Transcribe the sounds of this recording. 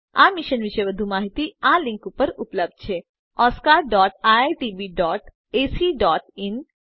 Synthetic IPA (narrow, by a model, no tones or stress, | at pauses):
a̰ːmɪʃənʋɪʃəʋɐd̪ʱumaːɦit̪iãːlɪ̃ŋkʊpəɾʊpləb̚d̪̚t͡ʃʰe | ɔːskaːɾɖɔːʈaʈiːbiːɖɔːʈ | eːsiːɖɔːʈɪn